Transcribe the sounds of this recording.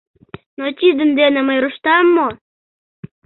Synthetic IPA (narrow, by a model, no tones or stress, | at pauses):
not͡ɕʲid̪ə̆md̪enə̆məjɾuʃt̪ɑmːo